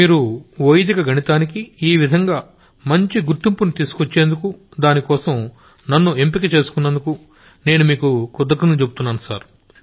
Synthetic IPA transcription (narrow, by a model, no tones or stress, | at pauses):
miːɾuʋojd̪ikɐɡʱɐɳit̪aːnikiiːʋid̪ʱɐŋɡaː | mɐɲt͡ʃiɡuɾʈːimpunut̪iːsu̥kot͡ʃːe̞ːnd̪ukud̪aːnikɔːsɐm | nɐnːue̞mpikɐt͡ʃe̞ːsu̥kunːɐnd̪uku | ne̞ːnumiːkukud̪ɐkɐnɐt͡ʃe̞but̪unːaːnusaːɾu